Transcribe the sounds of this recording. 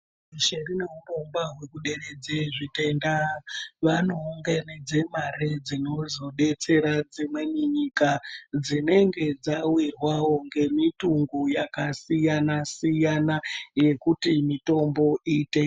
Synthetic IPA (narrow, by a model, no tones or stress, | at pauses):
iʃerine̞urombaɦwe̞kuɗe̞red͡zeʐite̞ndaʋanoːŋɡened͡ze̞maɾed͡zino̞zo̞ɗe̞t͡se̞ɾad͡zimwe̞niɲikad͡zine̞ŋɡe̞d͡zawirwawo̞ŋɡe̞mituŋɡujakasijanasijanaje̞kutimito̞mbo̞ʔite